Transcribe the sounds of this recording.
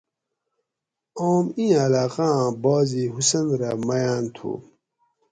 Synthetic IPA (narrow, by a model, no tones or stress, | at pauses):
oːmĩɐlaːqãbaːziɦusɐnɾamɐjaːnt̪ʰṵ